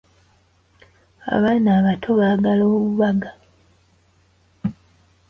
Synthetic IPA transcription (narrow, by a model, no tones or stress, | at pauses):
a̰βaːnaːβatʰo̞βaːɡaloːβuβaɡa